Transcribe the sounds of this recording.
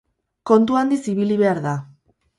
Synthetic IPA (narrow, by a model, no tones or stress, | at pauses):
ko̞nt̪uand̪isiβiliβe̞aɾða